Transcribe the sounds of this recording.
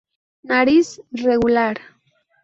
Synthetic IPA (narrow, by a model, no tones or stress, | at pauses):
naɾisreɣulaɾ